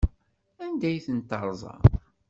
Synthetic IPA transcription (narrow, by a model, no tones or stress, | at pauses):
ænd̪æjθənt̪ːəɾˤzˤɑ̰